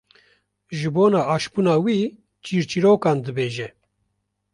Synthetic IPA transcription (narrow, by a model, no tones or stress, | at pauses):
ʒɨboːnɑːɑːʃpuːnɑːwiː | t͡ʃiːɾt͡ʃiɾoːkɑːnd̪ɨbeːʒɛ